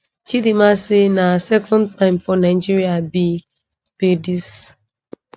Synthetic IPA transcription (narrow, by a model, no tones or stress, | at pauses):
tidimasɪnasɛkʰɔ̃ntãɪ̃mpɔnaɪd͡ʒiɾiabi | pedis